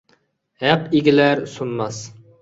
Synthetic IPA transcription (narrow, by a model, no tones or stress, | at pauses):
hɛqiɡʲilæɾsumːɑs